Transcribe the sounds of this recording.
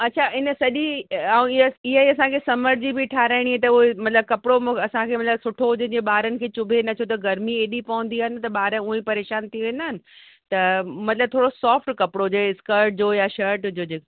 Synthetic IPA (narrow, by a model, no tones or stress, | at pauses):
ɐːt͡ɕʰaɪnəsɐʄiãɪɦaiɐsãkʰesɐməɾd͡ʑibʱɪʈʰaːɾaːɪɽ̃iɦɛːt̪̬ɐuɦemɐt̪ləb̚kɐpɪɽomɐsãkʰeːmɐt̪ləbsʊʈʰoɦʊd͡ʑɪd͡ʑeɓaːɾənɪ̆kʰeːt͡ɕʊbʱenɐt̪ʰjot̪ɐɡɐɾmieːɗipɐʋə̃n̆d̪iaːɦɪnɪt̪ɐɓaːɾəʊẽpɐɾeːʃaːnt̪ʰiʋẽːnaːɦɪnɪ̆ | t̪ɐmɐt̪ɪləb̚t̪ʰoːɽosɔːfʈkɐpɪɽod͡ʑoeɪskəɾʈ̚d͡ʑoːjaʃɐɾʈd͡ʑoːd͡ʑeːk